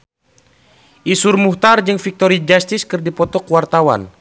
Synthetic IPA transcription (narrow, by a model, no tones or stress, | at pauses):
ʔisurmuht̪ard͡ʒɨŋfik̚t̪ɔɾid͡ʒast̪iskɨrdipɔt̪ɔkuwart̪awa̰n